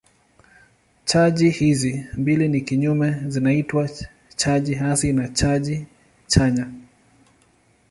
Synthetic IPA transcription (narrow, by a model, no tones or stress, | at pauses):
t͡ʃaʄihizimbilinikiɲumɛzinaitwa | t͡ʃaʄiɦasinat͡ʃaʄi | t͡ʃaɲa